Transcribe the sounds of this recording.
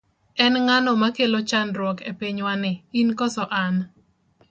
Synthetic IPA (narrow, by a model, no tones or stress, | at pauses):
ɛnŋanɔmakelot͡ʃanɾwɔkepiɲwanɪinkɔsɔʔan